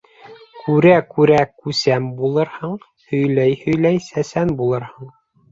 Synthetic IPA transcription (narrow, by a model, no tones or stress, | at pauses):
kʰʉɾækʉɾækʉsæmbulˠɤɾhɤɴ | hɵ̆jlæjhɵ̆jlæjsæsænbulˠɤɾhɤɴ